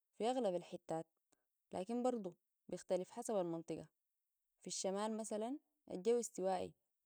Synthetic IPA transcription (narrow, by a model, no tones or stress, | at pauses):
fiʔaɣlabalħit̪ːaːt̪̚ | la̰ːkimbɑɾˤd̪ˤu | bijɪxt̪alifħasabalmɑnt̪ˤɨɡɑ̰ | fiʃːamaːlmasalan | ʔa̰d͡ʒawːist̪iwaːʔḭ